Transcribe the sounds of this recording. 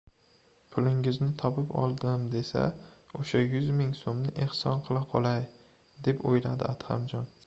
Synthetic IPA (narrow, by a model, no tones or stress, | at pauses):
pʰʊlɪŋɪznɪt̪ʰɒpɪpɒ̰lˠd̪ɪmd̪e̞sa̰oʃajʊzmɪŋsomnɪʔehsɒnqʰɨlˠaqʰɒlˠaj | d̪e̞pojlad̪ɪ̰at̪ha̰md͡ʒɒn